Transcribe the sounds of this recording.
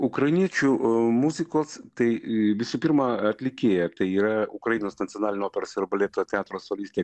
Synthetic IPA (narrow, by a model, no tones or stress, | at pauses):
ʊkɾɐjɪnʲiɛt͡ʃʲumuzʲɪkoːst̪ɐɪʋʲɪsupʲɪɾmɐɐt̪ʲlʲɪkʲeːjɛt̪ɐɪiːɾɐʊkɾɐjinoːsnɐt̪ʲijonɑːlʲɪnʲooːpʲɛɾoːsɪɾbɐlʲeːt̪ot̪ʲɛɑːt̪ɾoːsolʲisʲt̪ʲe